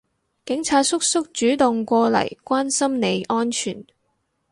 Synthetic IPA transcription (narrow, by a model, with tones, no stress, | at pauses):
kɪ˨˥ŋt͡sʰaː˧t̚sʊ˥k̚sʊ˥k̚t͡ʃyː˨˥t̪ʊ˨ŋkʷɔː˧lɐ̰˨˩jkʷaː˥nsɐ˥mne˨˧jʔɔː˥nt͡ʃʰy̰ː˨˩n